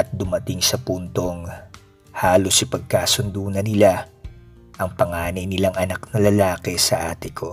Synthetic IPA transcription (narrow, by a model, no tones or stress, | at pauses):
ɐt̪̚d̪ʊmɐt̪ɪŋsɐpunt̪o̞ŋ | haːlo̞sʔipɐɡ̚kaːsʊnd̪uːnɐnɪla | ʔɐŋpɐŋaːnɐjnɪlaŋʔɐnaknɐlɐlaːkɛsɐ̰ʔaːt̪ɪkʰo̞